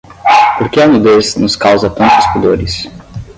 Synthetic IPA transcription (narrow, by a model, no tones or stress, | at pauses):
poɾkeɐnud̪esnʊskawzɐt̪ɐ̃nt̪ʊ̥spud̪oɾɪs